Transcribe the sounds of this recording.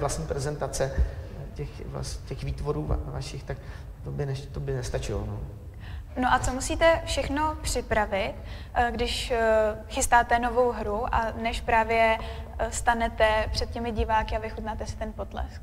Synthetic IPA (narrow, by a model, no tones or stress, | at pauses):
vlast̪ɲiːpɾɛzɛnt̪at͡sɛcɛxvla̰scɛxviːt̪voɾuːa̰va̰ʃɪxt̪ak | t̪obɪnɛt̪obɪnɛst̪at͡ʃɪlo̰no̰ː | noʔat͡somusiːt̪ɛfʃɛxno̞pr̝̥ɪpɾavɪt̪ | ɡdɪʃ | xɪst̪aːt̪ɛno̞vo̞wɦɾuʔanɛʃpɾaːvjɛst̪anɛt̪ɛpr̝̥ɛt̪̚cɛmɪɟɪvaːkɪavɪxut̪naːt̪ɛsɪ̥t̪ɛnpo̞t̪lɛ̰sk